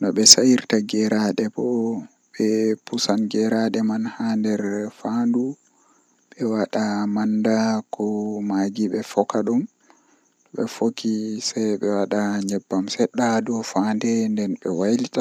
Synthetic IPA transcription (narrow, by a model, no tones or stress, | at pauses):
nɔɓɛsajiɾtaɡɛɾaɗɛbɔ | ɓɛpusanɡɛɾaɗɛmanhandɛɾfandu | ɓɛwaɗamandakɔmaɡiɓɛfɔkaɗum | ɔɓɛ̰fokisajɓɛwaɗaɲɛbːamsɛɗːadɔfandɛndɛnɓɛwajlita